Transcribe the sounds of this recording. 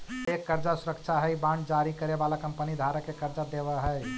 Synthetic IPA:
ekːəɾd͡ʒasuɾəkt͡ʃʰaɦəjbãɳɖd͡ʒaɾikəɾebalakəmpənid̪ʱaɾəkekəɾd͡ʒad̪eβəɦəj

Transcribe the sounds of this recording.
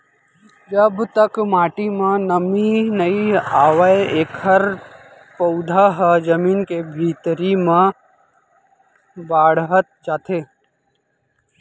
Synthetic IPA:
d͡ʒəbt̪əkmaːʈimãnəminəiaːʋəeeːkʰəɾ | pəʊd̪ʱaɦəd͡ʒəmiːnkebʱiːt̪ɾimã | baːɽɦət̪̚d͡ʒaːt̪eː

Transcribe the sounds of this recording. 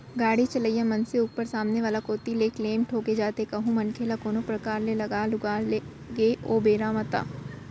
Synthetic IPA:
ɡaːɽit͡ʃɐləjãmɐnseʊɡ̚pəɾsaːmneʋaːlakoːt̪ileːkleːmʈʰoːked͡ʒaːt̪ekɐɦũmɐnkʰeːlakoːnopɾɐkaːɾlelɐɡaːlʊɡaːle | ɡeːʔoːbeːɾaːmɐt̪a̰ː

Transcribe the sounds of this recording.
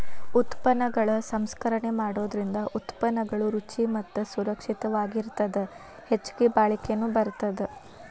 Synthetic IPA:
ut̪pɐnːɐɡɐɭɐsɐmskɐɾɐɳe̞maːɽo̞ːd̪ɐɾind̪ɐʔut̪pɐnːɐɡɐɭuɾut͡ʃimɐt̪ːusuɾɐkʂit̪ɐʋaːɡiɾt̪ɐd̪e | het͡ʃːu̥ɡebaːɭikenːubɐɾt̪ɐd̪e

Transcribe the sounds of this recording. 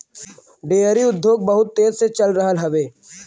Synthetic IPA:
ɖeːəɾiʊd̪ʱjoːɡ̚bɐɦʊt̪ːeːzset͡ʃɐlɾəɦəlɦɐʋeː

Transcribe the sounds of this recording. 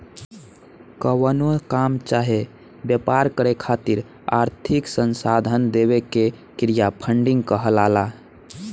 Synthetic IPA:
kəwənokamt͡ʃaɦe | bjəpaɾkəɾekʰat̪iɾ | a̰ɾt̪ʰiksənsad̪ʱənd̪eβeke | kɾijapʰəɳɖiŋɡkəɦəlala

